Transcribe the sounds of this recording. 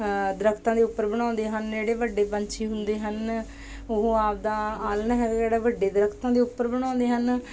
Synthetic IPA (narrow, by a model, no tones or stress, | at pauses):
d̪əɾəkʰt̪ãːd̪eːʊpːəɾbəɽ̃ãːnd̪eːɦənd͡ʒeːɽeːʋəɖːeːpə̃ɲt͡ʃʰeːɦʊnd̪eːɦən | ʊɦoaːp̚d̪aːaːlnɦɛːɡeːɽaːʋəɖːeːd̪əɾəkʰt̪ãːd̪eːʊpːəɾbəɽ̃ãːnd̪eːɦən